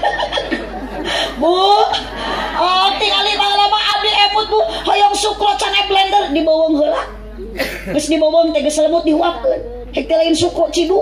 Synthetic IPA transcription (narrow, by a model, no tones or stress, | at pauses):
buh | ɔt̪iŋaliʔbaŋlamaʔab̚diɛfut̪̚buhhɔjɔŋsukɾɔʔt͡ʃaŋaplɛndərdibɔwɔŋɦola | ɡəsdibɔwɔŋt̪ɛɡəsləmʊt̪̚diɦuap̚ən | hik̚t̪ilainsukɾɔʔt͡ʃidu